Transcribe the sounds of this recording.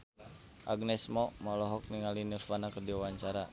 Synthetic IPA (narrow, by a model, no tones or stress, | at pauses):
ʔaɡnɛsmɔmɔlɔɦɔk̚niŋalinəfanakərdiawaɲt͡ʃaɾa